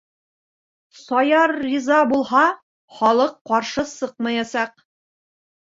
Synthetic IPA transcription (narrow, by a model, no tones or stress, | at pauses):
sɑjɑɾːizɑbulˠhɑ | χɒlˠɤqːɑɾʃɤsɤq̚mɑjɑsɑq̚